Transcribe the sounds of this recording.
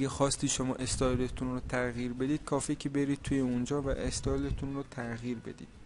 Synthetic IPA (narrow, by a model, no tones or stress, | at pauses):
ɡexɒːst̪iːʃo̞mɒːʔe̞st̪ʰɒːjlet̪ʰunroːt̪ʰæɣiːɾbe̞d̪iːd̪̚kʰɒːficʰebe̞ɾiːd̪̚t̪ʰuːjeund͡ʒɒːvæ̰ʔest̪ʰɒːjlet̪ʰunrot̪ʰæɣiːɾbe̞̰d̪ḭːd̪̥̚